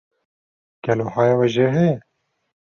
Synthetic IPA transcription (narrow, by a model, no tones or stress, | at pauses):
ɡ̥ɛloːhɑːjawɛʒeːɦɛjɛ